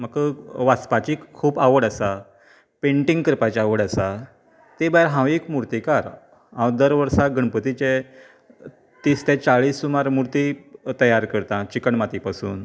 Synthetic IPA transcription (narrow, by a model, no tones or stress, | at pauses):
məkʋaspat͡ɕikʰuːbaʋəɽəsa | pẽɳʈĩŋɡkɾpat͡ɕaʋəɽəsa | t̪ebajɾɦãwekmuɾt̪ikaɾ | ɦãwd̪əɾʋəɾsaɡəɳpət̪it͡ɕe | t̪ist̪ẽt͡saɭiːsːumaɾmuɾt̪it̪əjaɾkəɾt̪ãt͡ɕikəɳmat̪ipasṵːn